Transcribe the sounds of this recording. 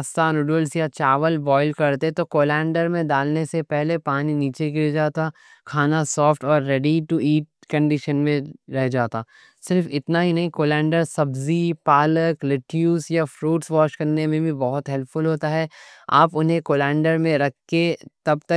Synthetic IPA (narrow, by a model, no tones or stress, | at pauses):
st̪anʊːɖuəlsjat͡ʃaːʋəlbɔːɪlkɐɾt̪et̪okoːlɛ̃ːɳɖəɾmẽd̪aːlnesepɛɦlepaːniniːt͡ʃek̬ied͡ʒaːt̪a | kʰaːnasɔːfʈɔːɾːɛːɖiʈuiːʈ̚kɐ̃ɳɖɪʃənmẽɾɛɦd͡ʒaːt̪aː | sɪɾfɪt̪naɦinɐɦĩkoːlɛ̃ːɳɖəɾsɐbzipaːləklɪʈjuːsjafɾuːʈsʋɔːʃkɐɾnemẽbʱibɐɦʊt̪ɦɛlpfʊlɦoːt̪aɦɛːa̰ːpʊnɦẽkoːlɛ̃ːɳɖəɾmẽɾɐkʰːet̪ɐb̚t̪ɐ